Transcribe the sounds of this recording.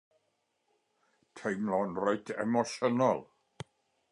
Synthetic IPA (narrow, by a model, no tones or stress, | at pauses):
tʰejmlɔnrajtʰɛ̰mɔʃənɔlˠ